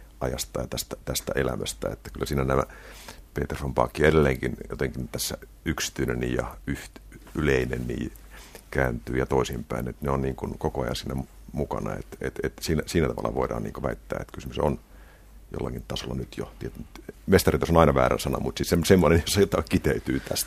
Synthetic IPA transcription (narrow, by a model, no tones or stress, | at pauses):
ɑjɑst̪ɑjɑt̪æst̪æt̪æst̪æʔelæ̰mæst̪æ̰ḛt̪ːæ̥kylːæsiːnænæmæpeːt̪ersompɑ̰ːkːiedelːeːŋkinjot̪eŋkint̪æsːæ | yksi̥t̪yinenijɑyht̪yleinennḭː | kæːnt̪yːjɑt̪oisimpæinet̪neonniːŋkunkokoɑjɑ̰nsinːæm | mukɑnɑḛt̪et̪et̪siːnæsiːnæt̪ɑʋɑ̰lːɑ̰ʋoidɑ̰ːnḭːŋkoʋæit̪ːæ̰ːḛt̪kysymyson | jo̰lːɑkint̪ɑsolːɑnyt̪jo̰t̪iet̪nmest̪ɑrit̪osonɑinɑʋæ̰ːræ̰nsɑnɑ̰mut̪sissemsemːonenjosːɑjot̪ːɑkit̪eyt̪yːt̪æst̪